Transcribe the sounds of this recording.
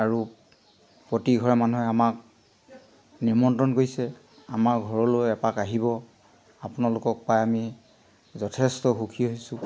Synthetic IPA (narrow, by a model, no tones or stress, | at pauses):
aɹu | pɹotiɡʱɔɹɛmanuɦɛamak̚ | niɹmɔntɹɔnkoɹisɛ | amaɹɡʱɔɹɔlojɛpakaɦibɔ | apʊnalʊkɔk̚pajami | zɔtʰɛstɔxukʰiɦojsʊ̃